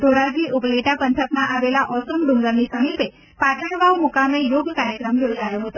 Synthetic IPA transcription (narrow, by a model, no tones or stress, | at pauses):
d̪oɾad͡ʒiʔʊpleʈapənt̪ʰəkmãʔaʋelaʔɔsəmɖũŋɡəɾnisəmipe | paʈəɽʋaumukamejoɡkaɾjəkɾəmjod͡ʒʱajoɦət̪o